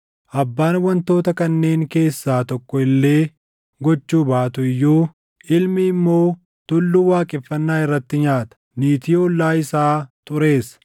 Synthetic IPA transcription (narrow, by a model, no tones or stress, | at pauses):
ʔɐbːaːnwɐnt̪o̞ːt̪ɐkɐnːe̞ːŋke̞ːsːaːt̪ɔkːɔɪlːe̞ː | ɡɔt͡ʃːuːbaːt̪ʊɪjːuː | ʔɪlmɪːmːo̞ː | t̪ʊlːʊwaːkʼɪfːɐnːaːɪrːɐt̪ːɪɲaːt̪ɐ̥niːt̪iːɔlːaːɪsaːt̪ʊɾe̞ːs